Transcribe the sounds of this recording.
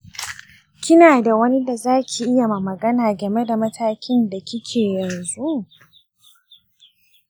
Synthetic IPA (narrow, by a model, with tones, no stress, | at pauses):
kʲɪ˦naː˨da˨wɐ˦ni˦da˨zaː˦kʲi˨ʔɪ˦ja˨ma˨mɐ˨ɡɐ˦naː˨ɡɐ˨me˦da˨mɐ˦tʰaː˦kʲʰɪ˦nda˨kʲɪ˦kʲʰeː˨jɐ˨nzu˦